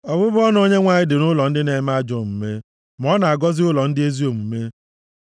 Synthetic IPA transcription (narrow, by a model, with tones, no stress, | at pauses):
ɔ˨bʊ˦bʊ˦ɔ˦n˦o˦ɲe˦ŋʷa˨ɲɪ˦dɪ˨nʊ˦lɔ˨n̩˦dɪ˦ne˨˦ma˦d͡ʒo˨m̩˨me˦ | mɔ˦na˨a˨ɡɔ˦zɪ˦ʊ˦lɔ˨n̩˦dɪ˦e˦zi˦o˨m̩˨me˦